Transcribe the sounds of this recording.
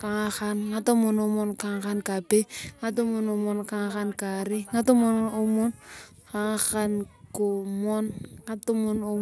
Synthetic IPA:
ka˨ŋa˦xa˦nŋa˦to˦mo˨no˦mɔ˦nka˨ŋ˦ka˦nka˨pe˦ŋa˦to˦mo˦no˨mɔ˨nka˦ŋxa˦nka˨ɾi˦ŋa˦to˦mo˦no˦mo˦n | ka˨ŋ˦xa˦nko˨mɔ˦nŋa˦to˦mo˦no˦

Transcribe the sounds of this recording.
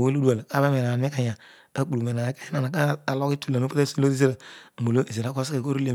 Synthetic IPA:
we˦lu˦du˦a˨lka˦ba˦me˨na˨me˦ka˨ɲa˨ | a˦k͡pu˨lu˨me˨na˨˦ke˦na˨na˨ka˦a˨lo˦ki˦tu˦˨la˨no˦pe˦e˦so˦o˦ɾi˦ze˦ɾa˨mo˨lo˦i˨ze˨ɾa˨˦kʷo˦se˨ko˦ɾu˦le˦

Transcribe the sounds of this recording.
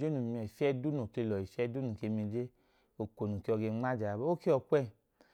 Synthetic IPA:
d͡ʒe˦nũ˨mi˧ɛ˨fɛ˦du˦nũ˨ke˧lɔ˨i˨fɛ˦du˦nũ˨ke˧mi˧d͡ʒe˦ | o˨ko˨nu˨ke˧ɔ˧ɡe˧ŋ͡ma˦d͡ʒa˨bo˦ke˦ɔ˧kʷɛ˦˨

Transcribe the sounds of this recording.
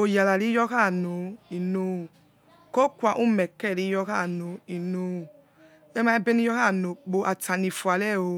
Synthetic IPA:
o˨ja˨la˨ɾi˨˦jɔ˦ka˦˨no˨i˨no˨˧˨ | ko˦kʷa˨ʔu˦˨mɛ˨kɛ˦˨ɾi˦jɔ˧ka˦˨no˨i˨no˨˦˨ | ɛ˦ma˦ɛ˦be˦ni˦jɔ˦ka˦˨no˨k͡po˨ʔa˨ta˨ni˨fu˨a˨lɛ˦˨o˧˦

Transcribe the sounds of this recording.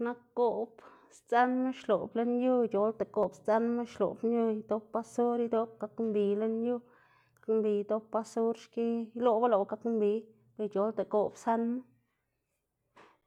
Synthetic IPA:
na˦kɡo˨bst͡sa˦nme˦ʃlo˨ble˦nju˦t͡ʃo˨lt̪e˨ko˨bst͡sa˦nme˦ʃlo̰˨bnju˦jd̪o˦pːa˧so˦ɾi˦d̪o˦b̚ɡa˧kmbi˨le˦nju˦ | kḁ˦kmbi˨jd̪o˦pːa˧˦so˦ɾʃki˦jlo˦ba˦lo˨ɡa˦kmbi˨ | b̥e˧t͡ʃo˨˦lt̪e˨ko˧bsa˦nme˦

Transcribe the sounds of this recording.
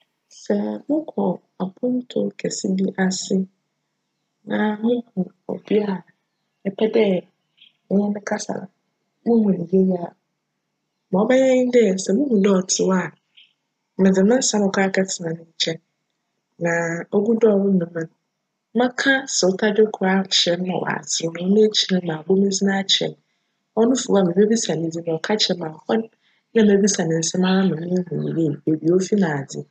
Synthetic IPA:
sɛ˨mʊ̃˦kʰɔ˨ | a˨pʰʊ̃˦n˦tʰʊ̰˦kʰɛ˨si˦di˦ʔa˨sɪ˦ | nã˨mʊ̃˦hʰũ˨ | ɔ̰˨bi˦a˦˨ | ɛ˦pʰɛ˦dɛ˦ | mʊ̃˦ɛ˦nɪ̃˦kʰa˦sa̰˨ | mʊ̃˦hũ˨nĩ˨je˦ja˦˨ | mɔ̃˨ɔ˦bɛ˦jɛ̃˦ɲɪ̃˦dɛ˦˨sɛ˨mʊ̃˦hũ˨dɔ˦ɔ˨tʰɪ˨wa˨ | mɪ̃˨d͡zɪ˨mɪ̃˦n̩˦sã˦mʊ̃˨kʰa˦kʰɛ˦tʰɪ˨nã˨nʊ̃˦ɲ̩˦t͡ɕʰɛ̃˦nː | ã˨o˦ɡu˦dɔ˦˨wʊ̃˦nʊ̃˨mɪ̃˦n˦ | mã˦kʰa˦sɛ˨ʊ˦tʰa˦dɪ˦kʰʊ˨ɾa˦t͡ɕʰɛ˨n˦mã̰˨wa̰˨sʰɪ˨nʊ̃˨˦nʊ̃˦e˦t͡ɕʰi˨nɪ̃˦mã˨bo˦mɪ̃˦d͡zi˦nã˦t͡ɕʰɛ̰̃˨n | ɔ˦nʊ̃˦fu˨wa˨mɪ̃˨e˦bi˦sa˨nɪ̃˨˦d͡zi˦nã˨ɔ˨kʰa˦t͡ɕʰɛ˨˦mã˨hɔ˦n | nã˦m˦ɛ˦bi˦sa˨nɪ̃˨n̩˨sɛ̃˦mã˦nã˦nʊ̃˨mĩ˦hũ˨n̰˨je˦˨e˨bi˨o˦fi˦nã˨d͡zɪ̰˨

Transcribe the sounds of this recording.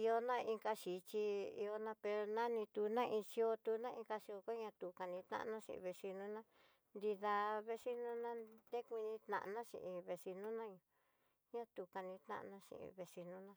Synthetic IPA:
i˧o˧nã˦i˧ŋka˧ʃi˨t͡ʃi˧ḭ˧o˧nã˧pe˧ɾo˧nã˦nĩ˧t̪u˧nã˦ʔĩ˧si˧˦o˧t̪u˧˦nã˦ʔĩ˧ka˧si˧o˧ko˦ɲã˧t̪u˨ka˨˧nĩ˧t̪nã̰˦˧nã˦ʂḭ̃˧ʔḭ̃˧˨βe˧si˧nũ˦nã˦ | nd̪i˧ða˧βe˧si˦nũ˦nã˦d̪e˦kʷĩ˧nĩ˧t̪nã̰˧ʔnã˦ʃḭ̃˧˨ʔĩ˧βe˧si˧nũ˦nã˦ɲũ˨ | ɲã˦t̪u˨˧ka˧nĩ˧t̪nã̰˦ʔnã˧ʃḭ̃˧˨ʔḭ̃˧βe˧si˧nũ˦nã˧

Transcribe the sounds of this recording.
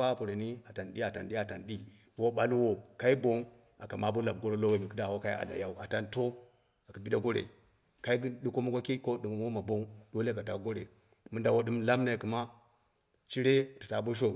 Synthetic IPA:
a˦˨po˨ɾe˨ni˦a˨ta˨nɗi˦a˨ta̰˨nɗi˦a˨ta˨nɗi˦ | b̥o˦ɓa˦lwo˦˨ka˦i˦bo˦ŋ | a˨ka˨ma˨˦bo˦la˨b̚ɡo˦ɾo˦lo˦we˨mi˨ki˦da˨wo˦ka˦i˦a̰˨da̰˨ja˦u˦ʔa˨ta˦nto˦ | a˨ka˨bi˦ɗa˦ɡo˦ɾḛ˨ | ka˦i˦ɡi˦ɗi˦ko˦ma˦ɡo˦ki˦ko˦ɗi˨ŋ˨wo˦ma˨bo˦ŋdo˦le˦˨ka˨ta˨˦ɡo˦ɾḛ˨ | mu˦nda˨wo˦ɗɨ˦mla˦mna˨ku˨ma˦ | t͡ʃi˦ɾe˦a˨ta˨ta˨bo˦ʃ̬o˦˨

